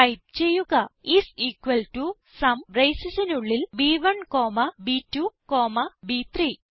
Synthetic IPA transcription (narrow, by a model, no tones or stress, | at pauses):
ɐjp̚t͡ɕe̞jːuɣɐisiːkʋɐlʈu | sɐmrejsisɐnuɭːilbiːʋɐɳkoːmɐbiːtːukoːmɐbit̪riː